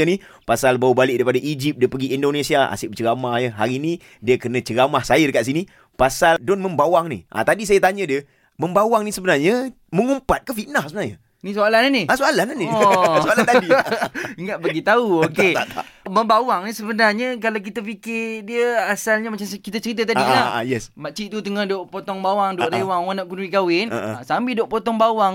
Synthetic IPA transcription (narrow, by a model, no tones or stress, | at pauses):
əni | pasalbaubalɪʔ̚daipadaʔid͡ʒip̚diəpəɡiindonesiaa̰sɪʔbət͡ʃəɡamahjəɦa̰ɾini | diəkənə̃t͡ʃəɾamahsajədəkat̪ʔ̪s̬ini | pasadonməmbawaŋnḭʔa̰t̪adisajat̪aɲədiə | məmbawaŋnisəbənarɲə | məŋumpat̪̚kəfiʔnahsəbənarɲa | nĩsoalananiasoalananiɔsoalat̪adiiŋaʔ̪̚baɡit̪auokeat̪a̰məmbawaŋnisəbənarɲəkalawk̬it̪apikɪrdiəasalɲamat͡ʃamkit̪at͡ʃəɾit̪̬ət̪adilaa̰jɛsmat͡ʃiʔt̪ut̪əŋahdoʔpot̪ɔŋbawaŋdoʔɾewaŋwanaʔ̚kunɾikawɪnə̰sambɪdoʔpot̪ɔŋbawaŋ